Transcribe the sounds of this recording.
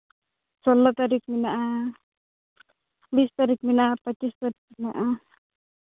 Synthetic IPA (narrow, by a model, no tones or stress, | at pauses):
solat̪aɾikminaʔa | bist̪aɾikminapɐist̪ɐɾikmʔa